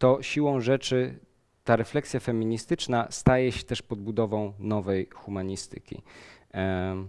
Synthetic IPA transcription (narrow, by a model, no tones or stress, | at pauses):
t̪ɔɕiwɔ̃w̃ʐɛt͡ʂɘ | t̪aɾɛflɛksʲjafɛmʲiɲist̪ɘt͡ʂnast̪ajɛɕɛt̪ɛʂpɔd̪̚bud̪ɔvɔ̃w̃nɔvɛjxumaɲist̪ɘ̰kʲḭ